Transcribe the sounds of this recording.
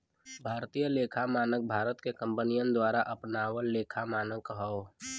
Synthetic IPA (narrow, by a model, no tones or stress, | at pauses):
bʱaːɾt̪ijəleːkʰamaːnək̚bʱaːɾət̪kekə̃mpənijə̃nd̪waːɾaʔɐpnaːwəlleːkʰamaːnəkɦɔ